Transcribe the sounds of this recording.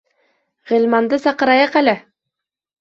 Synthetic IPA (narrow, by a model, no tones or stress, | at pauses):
ʁɘ̆lʲmɑnd̪ɤsɑqɤ̆ɾɑjɑqælɘ